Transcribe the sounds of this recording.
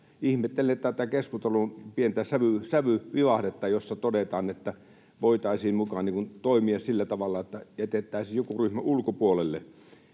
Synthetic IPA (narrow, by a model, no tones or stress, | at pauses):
ihmet̪ːelenet̪ːˑæːt̪ːækeskust̪olumpient̪æsæʋysæʋyʋiʋɑhdet̪ːɑjosːɑt̪odet̪ɑːnet̪ːæ | ʋoˑit̪ɑˑisiːmmukɑniːkunt̪oˑimiɑssilːæt̪ɑʋɑlːˑɑet̪ːæjæt̪et̪ːˑæˑisiːjokuryhmæʔulkopuolelːḛ